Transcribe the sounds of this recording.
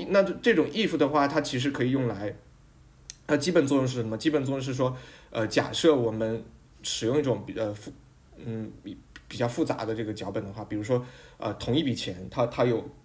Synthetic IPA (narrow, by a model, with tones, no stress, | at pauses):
na˥˧˥ʈ͡ʂɤ˥˩ʈ͡ʂʊ˨˩ŋi˥˩fu˧˩d̪ə˩xwa˥˩t̪ʰa˥t͡ɕʰi˧˥ʂ̬ɻ̩˧˥kʰɤ˧˥i˨˩jʊ˥˩ŋla˧˥ɪ | nʰa˥˩t͡ɕi˥pə˨˩nt͡swɔ˥˧jʊ˥˧ŋʂ̬̩˥˩ʂə˧˥mə˧t͡ɕi˥pə˨˩nt͡swɔ˥˧ʊ˥˧ʂɻ̩˥˩ʂwɔ˥ə˧t͡ɕja̰˨˩ʂɤ˥˩wɔ˨˩mə˦n | ʂɻ̩˨˩jʊ˥˧ŋi˥˩ʈ͡ʂʊ˨˩ŋ˩ə˧fu˥˩ | n̩˥˩˨pi˨˩t͡ɕjɑ˧ʊfu˥˩t͡sa̰˧˥d̪ə˧ʈ͡ʂɤ˥˩ɡə˩t͡ɕjɑ˧˥ʊpə˨˩nd̪ə˦xwa˥˩pi˨˩ɻu˧˥ʂ̬wɔ˥ə̰˧t̪ʰʊ˧˥ŋi˥˩pi˨˩t͡ɕʰjɛ˧˥nt̪ʰa˥t̪ʰa˥jo˨˩ʊ